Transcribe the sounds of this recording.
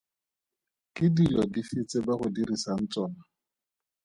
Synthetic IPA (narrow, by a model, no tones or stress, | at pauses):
kɪdilɔdifɪt͡sebaχʊdirisan̩t͡sʼɔːna